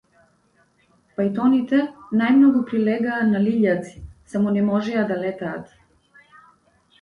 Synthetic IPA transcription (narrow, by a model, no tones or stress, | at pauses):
pajt̪ɔnit̪ɛnajmnɔɡupɾilɛɡaːnaliʎat̪si̥samɔnɛmɔʒɛad̪alɛt̪a̰ːt̪